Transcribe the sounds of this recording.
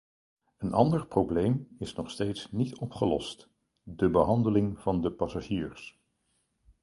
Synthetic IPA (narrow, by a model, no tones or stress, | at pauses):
ənʔɑ̰ndəɹprowblejmɪsnɔχstejtsnitɔpχəlɔ̰st | dəbəɦɑndəlɪŋv̥ɑndəpɑsaʒiːɹs